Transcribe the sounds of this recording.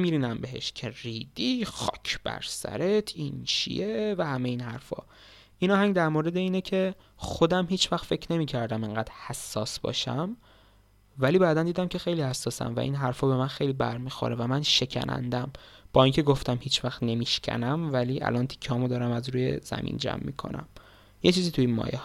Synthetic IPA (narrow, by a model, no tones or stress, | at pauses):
miːɾiːnæmbe̞ɦḛʃcʰe̞riːd̪ixɒ̰ːcʰb̥æ̰ɾsæ̰ɾe̞t̪ʰint͡ʃʰḭjevæhæmeiːnhæ̰ɾfɒ̰ː | ʔinɒːhæŋɡd̪æɾmoːɾe̞d̪eiːnecʰe̞ | xo̞d̪æmhiːt͡ʃvæxt̪fe̞cʰne̞miːcʰæɾd̪æmeŋɡæːd̪hæsːɒ̰ːsbɒ̰ːʃæm | væliːbæːd̪ænd̪iːd̪æmcʰe̞xe̞jliːhæsːɒːsæ̰mvæ̰ʔḭːnɦæɾfɒːbe̞mænxe̞jlibæ̰ɾmiːxo̰ɾevæmænʃe̞cʰæ̰nʔæ̰nd̪æmb̥ɒːincʰe̞ɡoft̪æmhiːt͡ʃʰvæxt̪ne̞miːʃcʲʰæ̰næmvæliːʔæ̰lɒnt̪ʰi̥kʰːehɒːmod̪ɒːɾæmæzɾuːjḛz̥æ̰mḭːnd͡ʒæ̰mːḭːkʰo̞̰næ̰m | jet͡ʃʰiːziːt̪ʰuinmɒ̰ːjeh